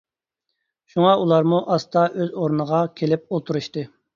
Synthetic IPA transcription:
ʃuŋɑʔulˠɑɾmuʔɑst̪ɑʔøzoɾnəʁɑkʲʰelɪp̚olˠt̪ʰuɾuʃt̪ɨ

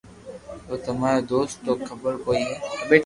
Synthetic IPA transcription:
t̪oːt̪ɐmaːɾad̪oːsʈt̪oːkʰɐbəɾkoːiɦɛːbeːʈ

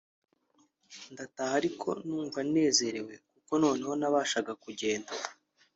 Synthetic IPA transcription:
ndatahaɾikʰo̞̰nuːɱvane̞ːze̞ɾe̞we̞kuko̞no̞ːne̞ho̞naβaːʃaɡakuɟe̞ːnda

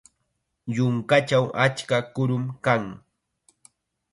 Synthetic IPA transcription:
jʊŋkat͡ʃawʔat͡ʃkakʊɾʊmkaŋ

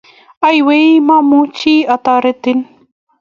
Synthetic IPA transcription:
ajweimamut͡ʃiːat̪aɾet̪ɪn

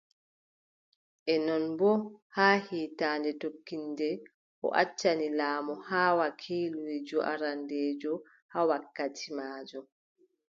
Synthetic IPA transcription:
ʔɛnɔnbɔhaːhiːtaːndɛtokːindɛ | ʔɔ̰ʔa̰t͡ʃːanilaːmɔhaːwakʰiːluɾɛd͡ʒɔʔa̰ɾandɛːd͡ʒɔ | hawakːatʰimaːd͡ʒɔ

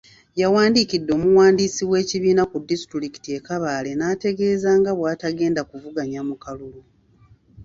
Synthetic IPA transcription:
jawaːndikidːo̞ːmuwaːndisiwe̞ːciβiːnakudːistɾiki̥tie̞kaβaːle̞naːte̞ɡe̞ːzaːŋɡaβwaːtaɡe̞ːndakuvuɡaɲamukalulu

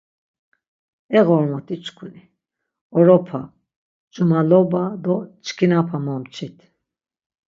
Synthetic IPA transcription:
ɛɣɔɾmɔt̪ʰʼit͡ʃʰkʰuni | ɔɾɔpʰa | d͡ʒʼumalɔbad̪ɔt͡ʃʰkʰinapʰamɔmt͡ʃʰit̪ʰ

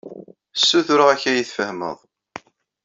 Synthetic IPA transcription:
sːuθʊɾʊʁæçæjiθfəhmə̰ðˤ

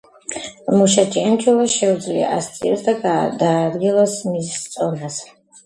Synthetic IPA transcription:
muʃat͡ʃʼiɛnt͡ʃʰʼulaʃɛwd͡zlḭʔa̰st͡sʼḭɔsd̪aɡad̪aːd̪ɡilasmist͡sʼɔnas

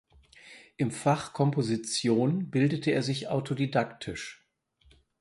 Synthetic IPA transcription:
ʔɪmfaχkʰɔmpozit͡sjoːnbɪldətʰəeːɐzɪçʔaʊtʰodidaktʰɪʃ

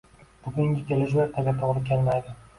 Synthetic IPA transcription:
b̥ʊɡʲʊŋɡʲɪkʲʰe̞lɪʃ̬laɾt̪ʰaɡʲat̪ʰoʁlˠɪkʲʰelmajd̪ɪ

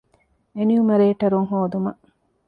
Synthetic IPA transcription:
eniumɐɾeːʈɐɾuŋɦoːd̪umɐ

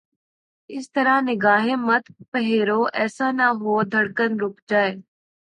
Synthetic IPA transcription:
ɪst̪əɾanɪɡaːɦemət̪pəɦeːɾoʔɛːsanaɦoːd̪ʱəɽkənɾʊkd͡ʒaːeː

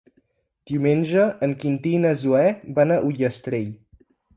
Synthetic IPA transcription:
d̪̥iumenʲʒəʔəŋkint̪inəzuɛbanəʔuʎəst̪ɾeʎ

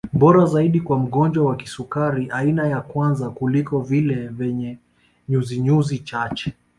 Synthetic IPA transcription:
ɓɔɾazaiɗikwam̩ɠɔnd͡ʒwawaki̥sukaɾiʔainajakwanzakulikɔvilɛvɛɲɛ | ɲuziɲuzit͡ʃat͡ʃɛ̥

